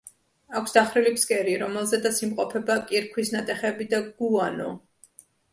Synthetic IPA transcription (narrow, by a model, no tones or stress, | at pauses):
akʷʰsd̪̥aχɾilipskʼɛɾiɾɔmɛlˠzɛd̪asimqʼɔpʰɛbakʼiɾkʰwisnat̪ʼɛχɛbid̪aɡ̥uanɔ̰